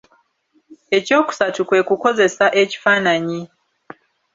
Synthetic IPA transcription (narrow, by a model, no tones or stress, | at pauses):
e̞co̞ːku̥satukwe̞ːkuko̞ze̞saʔe̞ci̥faːnaɲi